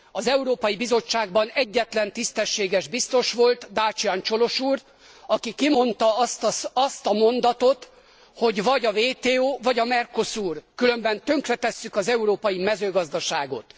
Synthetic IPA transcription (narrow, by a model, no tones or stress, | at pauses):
ɒzɛuɾoːpɒjibizo̞t͡ʃːaːɡ̚bɒnɛɟːɛt̪lɛnt̪ist̪ɛʃːeːɡɛʒbist̪o̞ʃʋo̞lt̪d̪aːt͡ʃiant͡ʃo̞lo̞ʃuːr | ɒkikimo̞nt̪ɒt̪ɒst̪ɒmo̞nd̪ɒt̪o̞t̪ | ho̞ɟvɒɟɒveːt̪eːoːvɒɟɒmɛrko̞suːrkylø̞mbɛnt̪ø̞ŋkrɛt̪ɛsːykɒzɛuɾoːpɒjimɛzøːɡɒzd̪ɒʃaːɡo̞̰t̪